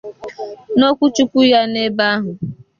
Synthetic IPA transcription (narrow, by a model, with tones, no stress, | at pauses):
no˦kʷu˦t͡ʃu˦kʷu˦ja˦ne˦ba˦ɦʊ˨